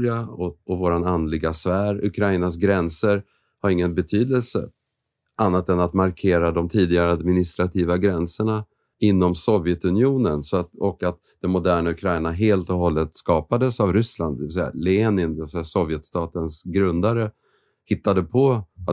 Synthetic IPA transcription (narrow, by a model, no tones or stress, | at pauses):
ɾɪaɔɔvoːɾanand̪lɪɡasvæːɾɵ̰kʰɾaɪnas̬ɡɾɛnsəɾ | haɾɪŋːənbɛt̪ʰyːd̪əlsə̰ | ʔanːat̪ɛnat̪maɾkʰeːɾad̪ɔmt̪ʰiːd̪ɪɡaɾəad̪mɪnɪst̪ɾat̪ʰiːvaɡɾɛnsəɳa | ɪnːɔmsɔvjɛt̪ɵnɪuːnənsɔat̪ɔkat̪ | d̪ɛmmʊd̪æːɳaɵkʰɾajɳaɦeːlt̪ɔɦɔlːət̪skɑːpad̪əsavɾʏsla̰nd̪d̪ɛvɪsɛjːa̰lɛeːnɪnd̪ɛvɪsɛjasɔvjɛt̪st̪ɑːt̪ənsɡɾɵnd̪aɾə | hɪt̪ːad̪əpʰɔa